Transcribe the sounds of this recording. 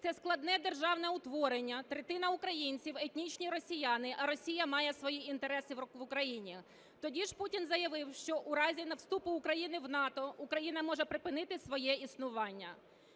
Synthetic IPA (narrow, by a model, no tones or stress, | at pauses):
t̪sɛsklˠɐd̪nɛd̪e̞rʒɑwnɛʊt̪ʋɔɾenʲːɐt̪ɾet̪ɪnɐʊkɾɐjinʲt͡sʲiwet̪ʲnʲit͡ʃnʲiɾɔsʲijanɪʔɐɾɔsʲijɐmɑjɛsʋɔjiint̪eɾɛsɪʋʊkɾɐjinʲi | t̪ɔdʲiʒputʲinzɐjɐʋɪwʃt͡ʃɔʔʊɾɑzʲinɐwst̪upʊːkɾɐjinɪwnɑt̪ɔʊkɾɐjin̪ɐmɔʒɛpɾɪpɪnɪt̪ɪsʋɔjɛisnʊʋɑnʲːɐ